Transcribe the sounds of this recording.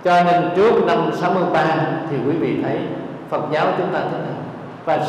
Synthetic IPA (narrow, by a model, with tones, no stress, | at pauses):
t͡ɕɔ˧ne˧nt͡ɕɨ˦˥ək̚na˧msa˨˦wmɨ˧əjɓaː˧t̪ʰi˨˩kwi˨˦vḭ˧˨t̪ʰə˨˦j | fə˨˩t̚zaː˨˦wt͡ɕʊ˨˦ŋ͡mt̪aː˧t̪ʰə˨˦na˧˩ | vaː˨˩